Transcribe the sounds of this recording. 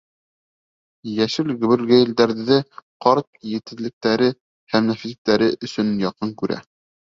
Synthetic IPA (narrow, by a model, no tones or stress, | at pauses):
jæʃɘlɡɵ̆βɘ̆lɡæjɘ̆ld̪æɾðɘqɑɾt̪̚jɘ̆t̪ɘ̆ðlɘ̆k̚t̪æɾɘ | hæmnæfisɘ̆k̚t̪æɾɘʔɵ̆sɵ̆njɑqɤŋkʉɾæ̰